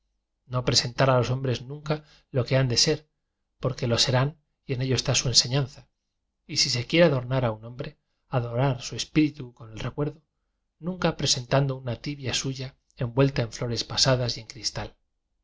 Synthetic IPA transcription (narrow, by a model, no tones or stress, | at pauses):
no̞pɾe̞se̞nt̪aɾalo̞so̞mbɾe̞znũŋka | lo̞ke̞and̪e̞se̞ɾ | po̞ɾke̞lo̞se̞ɾan | ie̞ne̞ʎoest̪asue̞nse̞ɲanθa | isis̬e̞kje̞ɾeaðo̞ɾnaɾaunõ̞mbɾe̞ | aðo̞ɾaɾsue̞spiɾit̪uko̞ne̞lre̞kwe̞ɾðo | nũŋkapɾe̞se̞nt̪and̪o̞unat̪iβjasuʝa | e̞mbwe̞lt̪aeɱflo̞ɾe̞spasaðasje̞ŋkɾist̪al